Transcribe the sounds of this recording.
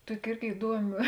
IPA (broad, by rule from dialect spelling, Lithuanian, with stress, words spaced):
ˈtuɔkʲɪ ˈɪrʲɡʲɪ ɪˈduɔmʲɪ